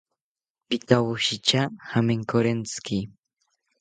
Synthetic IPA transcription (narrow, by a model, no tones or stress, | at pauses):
pɪt̪awʊʃɪt͡ʃahameŋkoɾent͡skɪ